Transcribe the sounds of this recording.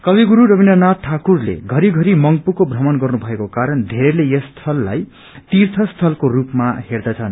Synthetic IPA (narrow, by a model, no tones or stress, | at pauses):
kʌbiɡuɾuɾʌbindʌnat̪ʰːakurlḛɡʱʌɾiɡʱʌɾimʌŋpukobʱrʌmʌnɡʌrnubʱʌekokaɾʌnd̪ʱeɾelejʌst̪ʰʌlːa̰j | t̪irt̪ʰʌst̪ʰʌlkorupmaherd̪ʌt͡sʰʌn